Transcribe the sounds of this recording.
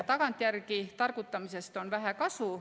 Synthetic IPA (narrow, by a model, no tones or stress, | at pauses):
t̪ɑɡɑnt̪ˑjærkit̪ɑrkut̪ːɑmise̞st̪o̞nvæɦækɑsu